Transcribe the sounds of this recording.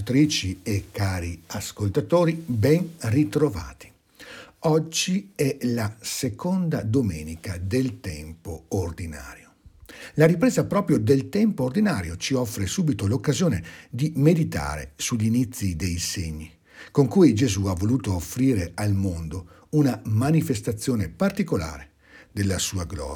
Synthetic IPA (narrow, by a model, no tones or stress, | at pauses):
t̪ɾiːt͡ʃiekːaːɾiaskolt̪at̪oːɾibɛnrit̪ɾova̰ːt̪i̥ | ɔd͡ʒːiɛlasekʰond̪ad̪omɛːnikad̪elt̪ɛmpoord̪ina̰ːɾjolaɾipɾeːzapɾɔːpɾjod̪elt̪ɛmpoːrd̪inaːɾjot͡ʃiɔfːɾesuːbit̪olokːazjoːned̪imed̪it̪a̰ːɾḛsuʎːinit̪sːid̪ejseɲːi | koŋkuːjd͡ʒezuavːoluːt̪oːfːɾiːɾealmond̪o | unamanifest̪at̪sːjoːnepart̪ikola̰ːɾe | d̪elːasuːaɡlɔ̰ːɾ